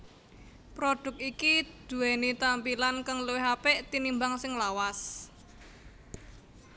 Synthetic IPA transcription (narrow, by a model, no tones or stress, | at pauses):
pɾoɖ̥ʊ̤k̚ikid̪̥ṳwɛnit̪ampilankəŋluwɪɦapeʔt̪inimbaŋsɪŋlawas